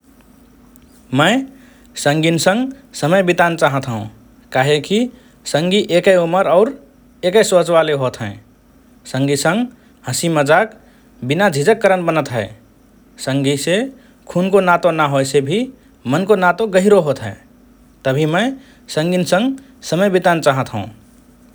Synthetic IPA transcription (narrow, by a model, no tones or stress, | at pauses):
mə̃ɪ | səŋɡinsə̃ŋɡsəməjbit̪ant͡ʃaɦət̪ɦṵ̃ | kaɦeki | səŋɡiʔekəjuməɾɔʊɾ | ekəɪsot͡ʃʋaleɦot̪ɦɛ̰̃ | sə̃ŋɡisə̃ŋɡ | həsiməd͡ʒak | binad͡ʒʱid͡ʒəkːəɾənbənət̪ɦɛɪ | sə̃ŋɡise | kʰunkonat̪onaɦojsebʱi | mənkonat̪oɡəɦiɾoɦot̪ɦɛ̰̃ | t̪əbʱiməɪ | sə̃ŋɡinsə̃ŋɡ | səməjbit̪ant͡ʃaɦət̪ɦə̰̃ũ